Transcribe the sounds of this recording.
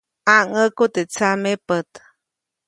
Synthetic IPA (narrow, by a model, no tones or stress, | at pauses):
aŋəkut̪et͡samepət̪